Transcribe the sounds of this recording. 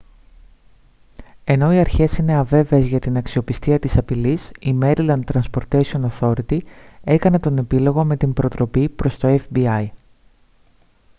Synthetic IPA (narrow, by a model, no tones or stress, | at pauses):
e̞no̞iɐɾçe̞sine̞ɐve̞veːzʝɐt̪inɐksio̞pist̪iɐt̪isɐpilisime̞ɾilɐnt̪ɾɐnspo̞ɾt̪e̞sio̞noθo̞ɾit̪ie̞kɐne̞t̪o̞ne̞pilo̞ɣo̞me̞t̪imbɾo̞t̪ɾo̞pipɾo̞st̪o̞e̞fbiɐj